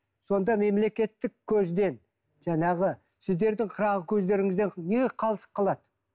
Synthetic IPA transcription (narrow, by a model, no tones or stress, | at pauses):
so̞nd̪ɑme̞mle̞kʲe̞t̪ːɪkʲʰːɵzd̪e̞n | ʒɑnɑʁə | sɪzd̪e̞ɾd̪ɪŋqʰəɾɑʁəkʲʰɵzd̪e̞ɾɪŋɪzd̪eɴneɡʲeqʰɑlˠəsə̥qqʰːɑlˠɑd̪ə